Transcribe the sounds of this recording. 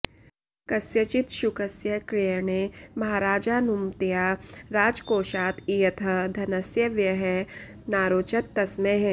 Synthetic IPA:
kɐsjɐt͡ʃɪt̪ʃukɐsjɐkɾijəɳeːmɐɦaːɾaːd͡ʒaːnumt̪ijaːɾaːd͡ʒkoːʃaːt̪ʰijɐt̪ʰɐd̪ʱɐnɐsjɐʋjɐɦe | naːɾoːt͡ʃɐt̪ːɐsmeɦ

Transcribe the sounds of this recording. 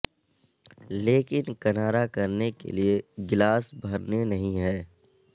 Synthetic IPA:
leːkɪnkɐnaːɾakɐɾnekḛlieɡɪlaːsbʱɐɾnenɐɦĩɦɛː

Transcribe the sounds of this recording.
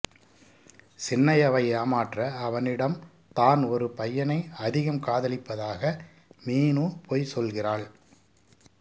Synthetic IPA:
sɪnːɐjɐʋɐɪaːmaːʈrɐːʋɐnɪɽɐm | t̪aːnɔɾɯpɐjːɐnɐɪɐðɪɣɐmkaːðɐlɪpːɐðaːɣɐ | miːnuːpʰoːjsɔlɣɪraːɭ

